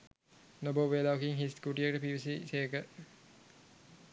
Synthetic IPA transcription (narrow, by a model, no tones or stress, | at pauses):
noboʋelaʋɐkiŋɦiskuʈiəkəʈəpiʋisiseːkə